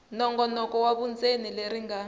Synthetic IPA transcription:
nɔŋɡɔnɔkɔwaβund͡zʱenileɾiŋaː

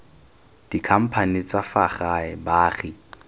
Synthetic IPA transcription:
d̥ikʰam̩pʰanit͡safaχaɛbaːχɪ

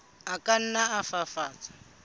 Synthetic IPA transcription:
akan̩naafafaːt͡sʼḁ

